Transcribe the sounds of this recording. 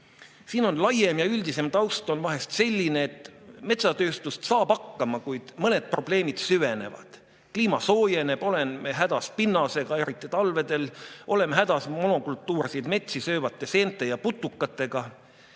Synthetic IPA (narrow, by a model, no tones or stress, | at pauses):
siːno̞nlɑjemjɑylʲd̪̥ise̞mt̪ɑwst̪ˑo̞nvɑɦe̞st̪se̞lʲːine̞ːt̪ˑme̞t̪sɑt̪ø̞ːst̪ust̪sɑːbɑkːɑmɑkujd̪̥mɤne̞d̪̥̚pro̞ble̞ːmid̪̥syve̞ne̞̰vɑ̰d̪̥ | kliːmɑso̞ːje̞ne̞b̥o̞le̞nmeɦæd̪̥ɑspinːɑse̞ɡ̥ɑe̞ɾit̪ˑːit̪ɑlve̞d̪e̞lo̞le̞mɦæd̪ɑsmo̞no̞kult̪ːˑuːɾsijd̪me̞t̪sisø̞ːvɑt̪ˑːe̞se̞ːnt̪ːˑe̞jɑput̪ːˑukːɑt̪ːˑe̞ɡ̥ɑ